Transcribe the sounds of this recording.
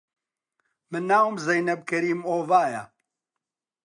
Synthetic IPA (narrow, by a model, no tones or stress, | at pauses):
mɨnːaːwmzɐjnɐb̚kɐɾiːmoːvaːjɐ